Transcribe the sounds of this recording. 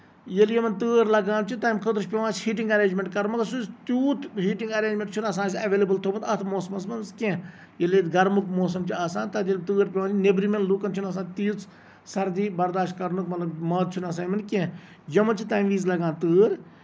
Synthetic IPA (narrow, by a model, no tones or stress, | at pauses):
jeljɐmɐnt̪ɨːɾlɐɡãːnt͡ʃʰit̪aːmkʰəd̪ɾɨʃʲpʲeʋaːt͡ʃhiːʈiŋɡɐɾẽːd͡ʒmẽɳʈkɐɾmɐkɐsust̪juːt̪ʰɦiːʈĩŋɡɐɾẽːɲd͡ʒmẽɳʈ̚t͡ʃʰunɐs̬ãːsiɐʋeːlɐbəlt̪ʰoːbɐnd̪ɐt̪ʰmoːsmɐnsmɐnskẽ | jɐlet̪ɡɐɾmukmoːs̬ɐmt͡ʃiaːsãːnt̪ɐd̪jɐlt̪ɨːɾpʲɐʋãːd͡ʒnebɾimenluːkɐnt͡ʃʰunɐs̬aːt̪iːt͡s | sɐɾd̪iːbɐɾd̪aːʃʈ̚kɐɾnukmɐt̪lɐbmɐːd̪̚t͡ʃʰunɐs̬aːmɐnkʲẽ | jɐmɐnt͡ʃʰit̪aːmʋiːzlɐɡãːnt̪ɨːɾ